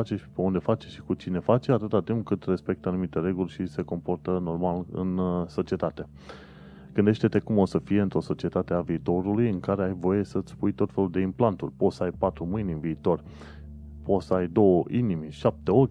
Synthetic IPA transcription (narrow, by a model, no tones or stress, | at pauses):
at͡ʃe̞t͡ʃpe̞und̪e̞fat͡ʃe̥ʃi̥kut͡ʃine̞fat͡ʃeat̪ɨt̪at̪impkɨt̪re̞spe̞k̚t̪əanumit̪e̞ɾe̞ɡulʲʃise̞ko̞mpo̞rt̪əno̞rmalɨ̰nso̞t͡ʃie̞t̪at̪e̞ | ɡ̥ɨnd̪e̞ʃt̪e̞t̪e̞kumo̞səfije̞ɨnt̪ɾo̞so̞t͡ʃie̞t̪at̪eaviːt̪o̞ɾulujɨŋkaɾe̞ajvo̞je̞sət̪sʲpujt̪o̞t̪fe̞luld̪e̞implant̪urʲpot̪səajpat̪ɾumɨjnʲɨnviːt̪o̞r | po̞t̪səajd̪o̞wəʔinimʃap̚t̪e̞o̞kʲ